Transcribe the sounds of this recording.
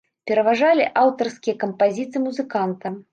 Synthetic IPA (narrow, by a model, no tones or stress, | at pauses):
pʲɛɾɐvaʐalʲiʔawt̪ɐrskʲijɐkɐmpazʲit̪sɨmuzɨkant̪ɐm